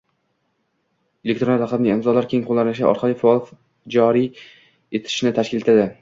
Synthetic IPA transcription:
elʲek̚ʲt̪ɾonaqɑbnɪŋɪmzɒlaɾkʲʰe̞ŋqʰolˠːanɪʃa̰ʔɒ̰ɾqʰɑlˠifaɒlˠ | d͡ʒɒɾi | e̞t̪ʰɪ̥ʃnɪt̪ʰaʃkʲɪle̞t̪ʰad̪ɪ

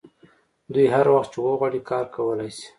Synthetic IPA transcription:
d̪ujɦaɾwaxt̪̚t͡ʃewoɣwaɽikɑɾkawəlajsi̥

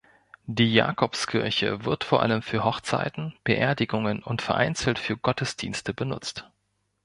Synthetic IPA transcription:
d̥iːja̰ːkʰɔpskʰɪɐçə̰vɪɐtfoːɐʔa̰ləmfyːɐɦɔχt͡sa̰ɪtn̩b̥əʔḛːɐdɪɡʊŋənʊntfɛɐʔa̰ɪnt͡sl̩tfyːɐɡɔtəsd̥ḭːnstəbənʊ̰t͡st

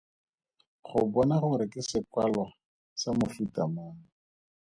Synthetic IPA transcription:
χʊbɔnaχʊɾɪkɪsɪkwalwa | samʊfutʼamaːŋ̩

